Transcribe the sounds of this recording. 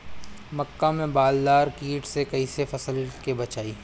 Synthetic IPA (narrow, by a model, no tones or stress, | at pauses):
mɐkːamẽbaːld̪aːɾkiːʈsekɐisefɐsəlkebɐt͡ʃaːiː